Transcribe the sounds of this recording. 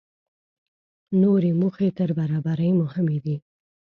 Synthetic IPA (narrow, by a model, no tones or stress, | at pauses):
noɾemuxet̪əɾbaɾɑbaɾəjmʊhɪmed̪i